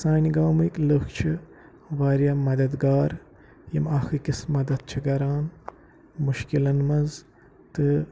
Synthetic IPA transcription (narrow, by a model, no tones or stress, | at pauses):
saːnʲiɡaːwmikləxt͡ʃʰi | ʋaːɾjamɐd̪ɐd̪ɡaːɾ | jɐmaxɨkismɐd̪ɐd̪̚t͡ʃʰiɡɐɾaːn | muʃkilɐnmɐz | t̪ɨ